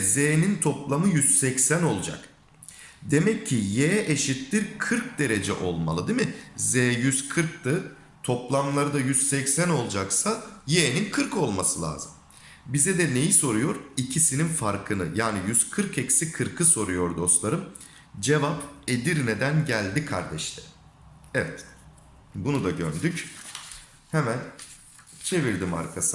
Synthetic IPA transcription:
zeːnint̪ʰo̞plˠamɯjyz̥sɛcsæno̞lˠd͡ʒa̰k | d̪e̞mɛcʰːijeʔeʃit̪liɾkʰɯɾk̚d̪e̞ɾe̞d͡ʒɛ̰ʔo̞lˠma̰lˠɯd̪imɪzeːjyzkʰɯɾk̚t̪ɯ | t̪ʰo̞plˠamlˠaɾɯd̪ajyz̥sɛcsæno̞lˠd͡ʒaksajeːninkʰɯɾkʰo̞lˠmasɯlˠa̰ːzɯm | bizɛd̪ɛne̞jiso̞ɾujo̞ɾicʰisininfaɾkʰɯnɯ̰jaːnijyz̥kʰɯɾkɛcsikʰɯɾkʰɯso̞ɾujo̞ɾd̪o̞st̪lˠaɾɯm | d͡ʒe̞vape̞d̪iɾned̪ænɟælʲd̪ikʰa̰ɾd̪ɛʃlɛ̥ | ɛvɛt̪ | bunud̪aɟønd̪yc | hemæn | t͡ʃʰe̞viɾd̪ima̰ɾkʰasɯ

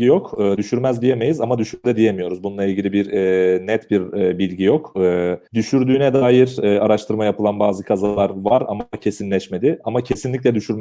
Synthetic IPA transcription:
ijo̞kɯːd̪yʃyɾmæzd̪ije̞me̞jizamad̪yʃyɾɛd̪ɛd̪ije̞mijo̞ɾuzbununˠailʲɟilʲibiɾnɛt̪biɾbilʲɟijo̞kɯːd̪yʃyɾd̪yːnɛd̪aːjiɾɛːaɾaʃt̪ʰɯɾmajapʰɯlˠanbaːzɯkʰazalˠaɾvaɾamcʰe̞sinlʲɛʃme̞d̪ɪamacʰe̞sinlʲic̬ʲlʲɛd̪yʃyɾm

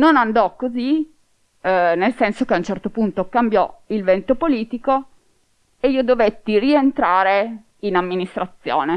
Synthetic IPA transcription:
nonand̪ɔkːozi | nelsɛnsokeaunt͡ʃɛrt̪opunt̪okambjɔilvɛnt̪opoliːt̪iko | eiːod̪ovet̪ːirient̪ɾaːɾe | inamːinist̪ɾat̪sːjo̰ːne

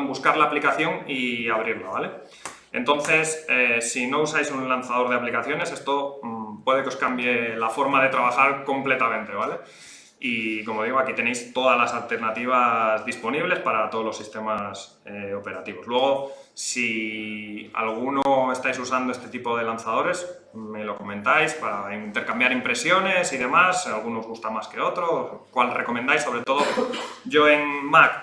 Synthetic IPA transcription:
mbuskaɾlaːplikaθjo̞ŋiaβ̞ɾiɾlaβale̞ | ḛnt̪o̞nθe̞sesːino̞usajsunlan̟θað̞o̞ɾð̞e̞aplikaθjo̞ne̞se̞st̪o̞pwe̞ð̞e̞keo̞skambjelafo̞ɾmaðe̞t̪ɾaβ̞axaɾko̞mple̞t̪amẽnt̪e̞β̞ale̞ | iko̞mo̞ð̞iɣ̞o̞akit̪ene̞jst̪o̞ðazlasalt̪e̞ɾnat̪iβ̞azðispo̞niβ̞le̞spaɾat̪olosːist̪e̞mas | eo̞pe̞ɾat̪iβo̞slwe̞ɣ̞o̞si | a̰lɣ̞unoe̞st̪ajsusand̪oe̞st̪e̞t̪ipo̞ðe̞lan̟θaðo̞ɾe̞s | melo̞ko̞mẽ̞nt̪ajspaɾaint̪e̞ɾkambjaɾimpɾe̞sjo̞ne̞siðe̞masalɣ̞unoːzɣ̞ust̪amaske̞o̞t̪ɾo̞kwalreko̞mend̪ajsːo̞β̞ɾe̞t̪o̞ðoɟ͡ʝo̞e̞ŋmak

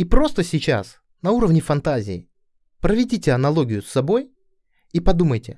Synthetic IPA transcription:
ipɾo̞st̪əsʲɪt͡ɕa̰s | nɐuɾəvnʲɪfɐnt̪azʲɪ̰ɪ | pɾəvʲɪdʲitʲɪɐnɐlˠo̞ɡʲɪjʊsːɐbo̞j | ipɐd̪uməjtʲɪ

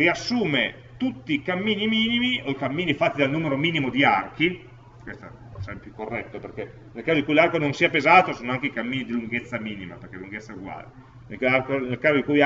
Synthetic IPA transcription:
riasːuːme | t̪ut̪ːikamːiːnimiːnimioikamːiːnifat̪ːid̪alnuːmeɾomiːnimod̪iark̟i | kwest̪a̰ | sɛmpjukːorːɛt̪ːoperke | nelkaːzod̪ikujlarkononsiːapezaːt̪osoːnoaŋk̟eikamːiːnid̪iluŋɡet̪sːamiːnima̰perk̟eluŋɡet̪sːauɡwa̰ːle | nelarkonelkaːzod̪ikuj

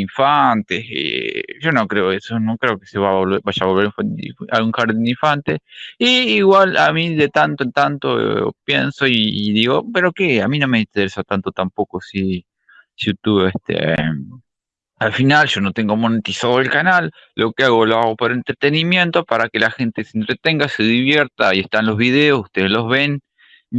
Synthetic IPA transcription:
iɱfant̪esḛʒo̞no̞kɾeoesonokɾeokeseβaβoβeβaʒaβlβeɾĩɱfant̪aɣuŋxaɾðind̪iɱfant̪eiːɣwala̰miðet̪ant̪oent̪ant̪o̰pje̞nso̞iðiɣo̞peɾokeamino̞meint̪eɾesat̪ant̪o̞t̪ampo̞kosi | sjut̪uβehst̪ʰḛ | alfinalʃo̞not̪e̞ŋɡomo̞net̪isaðoelkanalː | ʔo̞keaɣolaopoɾent̪ɾet̪e̞nimje̞nt̪opaɾake̞laxe̞nt̪esent̪ɾet̪eŋɡaseðiβje̞ɾt̪aieht̪anlo̞zβið̞eosuht̪eðezlo̞zβe̞n

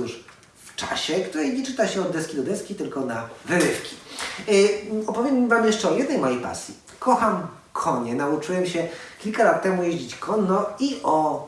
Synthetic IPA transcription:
uʂ | ft͡ʂa̰ɕɛkt̪uɾɛjɲɛt͡ʂɘt̪aɕɛɔd̪ːɛskʲid̪ɔd̪ɛskʲit̪ɘlkɔnavɘɾɘfkʲi̥ | ɔpɔvʲjevamjɛʂt͡ʂɛɔjɛd̪nɛjmajejpa̰sʲji | kʰɔxam | kʰɔɲɛnaut͡ʂuwɛmɕɛkʲilkalat̪ːɛmujeʑd͡ʑit͡ɕkʰɔnːɔiʔɔ

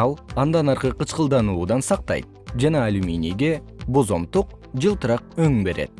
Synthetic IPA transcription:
ɑlˠɑnd̪ɑnɑɾqəqʰət͡ʃqəlˠd̪ɑnuːd̪ɑnsɑq̚t̪ɑ̰jt̪̚d͡ʒɑnɑːlʲumʲijnijɡʲe̞ | bo̞zo̞mt̪uq̚d͡ʒɯlˠt̪əɾɑq̚øŋbe̞ɾe̞̰t̪

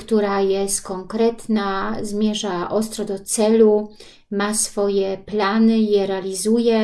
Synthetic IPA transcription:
kt̪uɾajɛst̪kɔŋkɾɛt̪nazmʲjɛʐaʔɔst̪ɾɔd̪ɔt̪sɛlu | masfɔjɛplanɘjɛɾɛalʲizujɛ

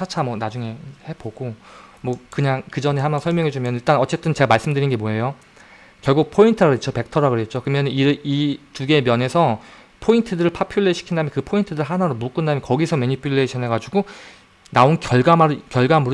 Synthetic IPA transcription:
at͡ɕʰamwʌnad͡ʑuŋe̞he̞boɡ̥omwʌkɯɲaŋkɯd͡ʑʌne̞hamansʰʌɭmjʌŋed͡ʑumjʌniɭt͈anʌt͡ɕ͈e̞t͈ɯnt͡ɕe̞ɡamaɭs͈ɯmdɯɾinɡe̞moejo | kjʌɭɡuk̚pʰointʰɯɾaett͡ɕ͈ʰope̞k̚tʰʌɾaɡɯɾet̚t͡ɕ͈ʰokɯmjʌnɯniɾituɡe̞mjʌne̞sʰʌ | pʰointʰɯdɯɾɯɭpʰapʰjuɭːeɕʰi̥kʰindamjʌnkɯpʰointʰɯdɯɭɦanaɾomuk͈ɯndamjʌnkʌɡisʰʌmeɲipʰuɭːeɕʰʌnɦe̞ɡad͡ʑuɡo | naonkjʌɭɡamaɾkjʌɭɡamuɾ

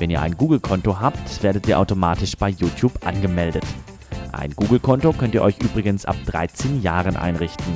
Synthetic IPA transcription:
vɛniːɐʔa̰ɪnɡuːɡl̩kʰɔntoɦaːptv̥eːɐɾətʔiːɐʔaʊtomaːtɪʃb̥aɪjuːtʰjuːpʔa̰nɡəmɛldət | ʔa̰ɪnɡuːɡl̩kʰɔntokʰœntiːɐʔɔʏçʔyːbʁɪɡənsʔa̰p̚d̥ʁa̰ɪt͡seːnjaːʁənʔa̰ɪnʁɪçtn̩

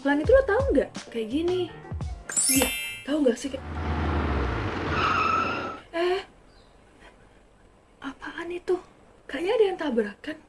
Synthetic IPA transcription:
lanit̪ulat̪auŋɡaʔkajaʔɡini | jat̪auŋɡasɪhkaj | ɛh | ʔapaːnit̪ʊh | kaɲaːdajant̪abəɾakan

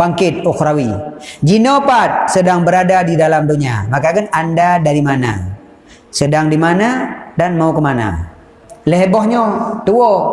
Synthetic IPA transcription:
baŋkɪt̪̚ɔkɾawid͡ʒinopat̪̚sədaŋbəɾadadidalamdoɲa̰makakanandadaɾimana̰ | sədaŋdimanadanmaukəmana̰ | ləɦbɔhɲot̪uo

